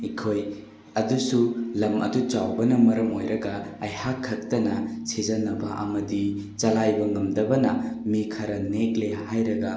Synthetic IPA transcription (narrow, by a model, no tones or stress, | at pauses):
ikʰoj | ɐdusulɐmɐ̰dut͡ʃawbɐnɐmɐɾɐmojɾɐɡɐːjhakʰːɐk̚tɐnɐsʰezɐnɐbɐʔɐ̰mɐdi | t͡ʃɐlajbɐŋɐmdɐbɐnɐmikʰɐɾɐneklehajɾɐɡɐ